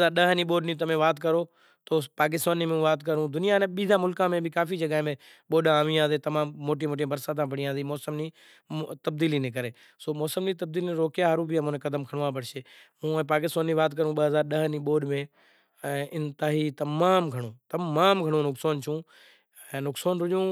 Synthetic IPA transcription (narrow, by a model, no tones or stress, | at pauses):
aːɾɗəɦniːɓoːɗnĩːt̪̬ɐmẽːʋaːt̪kəɾoː | t̪oːpaːk̬ɪst̪aːnimẽʋaːt̪kəɾũːd̪ʊnijanẽɓiːd̪ʱãːmʊlkãːmẽbʱɪkaːfid͡ʒɐɡaɦẽmẽ | ɓoːɗaaːʋĩãːzeːt̪ɐmãːmːoːʈ̬iːmoːʈ̬ĩːbəɾsaːd̪ʰãːpəɽĩãːziːmɔːsəmniː | t̪əb̚d̪iːliːnek̬əɾeː | soːmɔːsəmniːt̪ɐbd̪iːlineɾoːkjaɦɾuːbijãːmõːnẽkɐd̪əmkʰəɽ̃ʋãpɐɽʃeː | mũːɛ̃ːpaːk̬ɪst̪aːnːiːʋaːt̪kəɾũɓəɦəzaːɾɗəɦniɓoːɗmẽː | ɛ̃ːʔɪnt̪aːɦiːt̪ɐmaːmɡʱəɽõːt̪ɐaːmɡʱəɽ̃ũːnʊksaːnt͡ʃʰũː | ɛ̃nʊksaːnɾʊʄũː